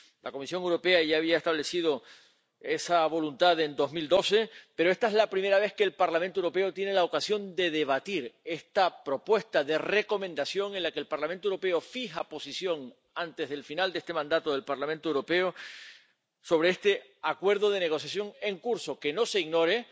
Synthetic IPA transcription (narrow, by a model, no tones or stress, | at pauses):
lako̞misjo̞ŋewɾo̞pe̞aʝaːβ̞iaest̪aβle̞sið̞o | e̞saβo̞lunt̪aðe̞nd̪o̞ɦmild̪o̞se̞peɾo̞est̪aezlapɾime̞ɾaβ̞e̞ske̞ːlpaɾlament̪owɾo̞p̬e̞ot̪je̞ne̞lao̞kasjo̞nd̪e̞ðe̞β̞at̪iɾe̞st̪apɾo̞pwe̞st̪aðe̞re̞ko̞mẽnd̪asjo̞ŋe̞nlakeːlpaɾlament̪owɾo̞pe̞o̞fiɦapo̞sisjo̞ŋ | ant̪e̞zɦðelfinald̪ee̞st̪e̞mãnd̪at̪oðe̞lpaɾlamẽnt̪oewɾo̞pe̞o | so̞β̞ɾe̞est̪e̞akwe̞ɾðo̞ð̞e̞ne̞ɣo̞sjasjo̞ŋe̞ŋkuɾso̞ke̞no̞se̞iɣno̞ɾe̞